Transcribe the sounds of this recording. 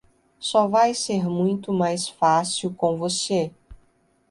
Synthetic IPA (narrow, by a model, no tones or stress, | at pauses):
sɔvajseɾmũj̃t̪ʊmajsfasiwkõw̃vose